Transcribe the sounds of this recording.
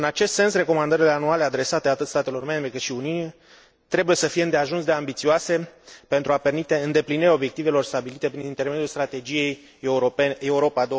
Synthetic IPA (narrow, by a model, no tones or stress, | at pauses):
ɨnat͡ʃe̞st̪se̞nsre̞ko̞mand̪əɾile̞anuale̞ad̪ɾe̞sat̪e̞at̪ɨt̪st̪at̪e̞lo̞rme̞mbɾekɨt̪ʃiuniuni | t̪ɾe̞buje̞səfije̞ɨnd̪eaʒunsd̪e̞ambit̪sioase̞pe̞nt̪ɾuape̞rmit̪e̞ɨnd̪e̞pliniɾʲao̞bje̞k̚t̪ive̞lo̞rst̪abilit̪e̞pɾinint̪e̞rmed̪julst̪ɾat̪e̞d͡ʒije̞j | eeuɾo̞pad̪o